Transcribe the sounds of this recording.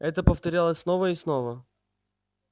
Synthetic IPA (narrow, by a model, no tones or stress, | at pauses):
ɛt̪əpəft̪ɐɾʲalˠəsʲsnovəɪsnovə